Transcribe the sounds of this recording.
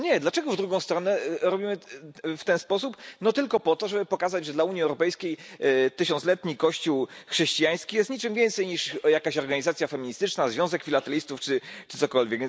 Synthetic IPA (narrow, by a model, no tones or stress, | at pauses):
ɲɛd̪lat͡ʂɛɡɔvd̪ɾuɡɔ̃w̃st̪ɾɔnɛɾɔbʲimɘft̪ɛnspɔsupnɔt̪ɘlkɔpɔt̪ɔʐɛbɘpɔkazad͡ʑʐɛd̪lauɲjiɛwɾɔpɛjskʲejt̪ɘɕɔ̃nslɛt̪ɲikɔɕt͡ɕuwxʂɛɕt͡ɕijaj̃skʲijɛst̪ɲit͡ʂɘmvʲjɛnt̪sɛjɲiʂjakaɕɔɾɡaɲizat̪sʲjafɛmʲiɲist̪ɘt͡ʂnazvʲjɔ̃w̃zɛkfʲilat̪ɛlʲist̪uft͡ʂɘt͡ʂɘ̥t̪sɔkɔlvʲjɛk